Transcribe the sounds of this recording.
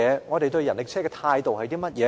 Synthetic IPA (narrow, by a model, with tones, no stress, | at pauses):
ɛː˨˧ŋɔː˨˧t̪e˨jt̪ɵ˧ɥjɐ˨˩nlɪ˨˩k̚t͡sʰɛː˥kɛː˧t̪ʰaː˧jt̪o˨whɐ˨jt̪iː˥mɐ˥t̚jɛː˨˧